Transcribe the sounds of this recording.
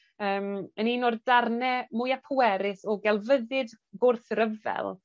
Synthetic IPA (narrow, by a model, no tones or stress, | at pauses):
əːməniːnɔrdarnɛmʊjapʰʊwɛɾɪsɔɡɛlˠvəðɨd | ɡʊrθɾəvɛ̰lˠ